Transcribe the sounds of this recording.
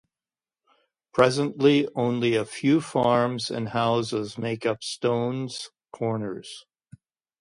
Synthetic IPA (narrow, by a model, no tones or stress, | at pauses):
pʰɹ̥ɛzə̃nʔliõʊ̃nliɨfjʉfɑɹmzɨ̰̃nhaʊzəzmeɪkʌpstõʊ̃nz̥ | kʰɔɹnə˞z̥